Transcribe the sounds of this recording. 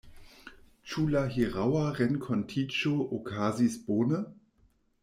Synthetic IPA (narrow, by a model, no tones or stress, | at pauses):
t͡ʃulaɦiʁawaʁɛnkʰɔntʰit͡ʃoʔokʰaːzisb̥oːnə